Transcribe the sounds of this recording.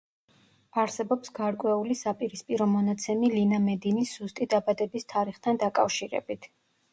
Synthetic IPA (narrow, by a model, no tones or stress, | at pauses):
aɾsɛbɔpsɡaɾkʼwɛulisapʼiɾispʼiɾɔmɔnat̪sʰɛmilinamɛd̪inisːust̪ʼid̪abad̪ɛbist̪ʰaɾiχt̪ʰand̪akʼafʃiɾɛ̰bit̪ʰ